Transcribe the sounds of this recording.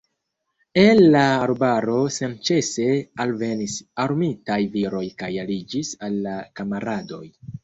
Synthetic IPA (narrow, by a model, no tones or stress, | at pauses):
elːaːɾbaɾo̞sent͡ʃe̞se̞alve̞nisaɾmitajviɾo̞jkajalid͡ʒisalːakamaɾado̞̰j